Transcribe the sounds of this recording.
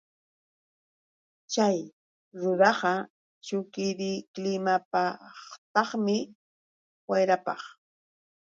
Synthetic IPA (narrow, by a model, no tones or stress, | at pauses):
t͡ʃaj | ɾʊɾɑɢɑ | t͡ʃʊkɪɾɪklɪmapaχt̪ɑχmɪ | wajɾapɑχ